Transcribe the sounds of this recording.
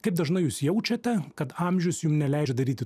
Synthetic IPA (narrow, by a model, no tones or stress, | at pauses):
kɐɪp̚d̪ɐʒnɐɪjuːsjɛʊt͡ʃʲɐt̪ʲɛkɐt̪ɑːmʲʒʲʊsjʊmnʲɛlʲɛˑɪd͡ʒʲɛd̪ɐɾʲiːt̪ʲɪ